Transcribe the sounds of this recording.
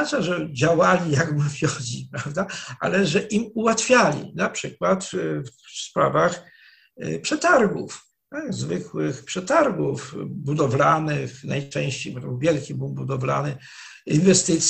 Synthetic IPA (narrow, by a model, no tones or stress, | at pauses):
at͡ʂaʐɛd͡ʑawalʲijaɡmvʲjɔd͡ʑipɾavd̪aʔa̰lɛʐɛʔimuwat̪fʲjalʲḭnapʂɘkwat̪fspɾa̰vax | pʂɛt̪aɾɡṵf | aɡzvɘkwɪxpʂɛt̪aɾɡufbud̪ɔvlanɘxnajt͡ʂɛ̃w̃ɕt͡ɕejbɔt̪ɔbɘwvʲjɛlkʲibubud̪ɔvla̰nɘ | invɛst̪ɘt̪sʲ